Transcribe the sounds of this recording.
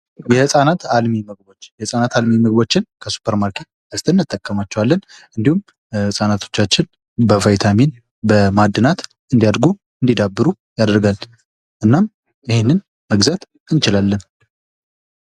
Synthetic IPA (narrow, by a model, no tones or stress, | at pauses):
jɛhɨsʼanat̪almiməɡbo̞t͡ʃːjɛsʼanat̪almiməɡ̚bo̞t͡ʃːɪnkʰəsu̥pʰəɾmaɾkʰe̞t̪̚ | əst̪ʰʼɨnːɨt̪ʼːəkʼːəmat͡ʃːɛwalːənɨnd̪ihum | hɨsʼanat̪ʰo̞t͡ʃːat͡ʃːɪn | bəfajt̪ʰamin | bəmad̪ːɨnat̪ | ɨnd̪ijad̪ɾɡu | ɨnd̪id̪abːɨɾu | jad̪ɾɡal | ʔɨnːam | ɪhenːɨn | məɡzat̪ | ɨnt͡ʃɪlalːən